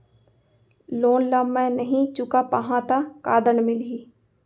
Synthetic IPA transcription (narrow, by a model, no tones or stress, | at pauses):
loːnləmːẽnəɦĩt͡ʃʊkapaɦãt̪akaːd̪ənmɪliː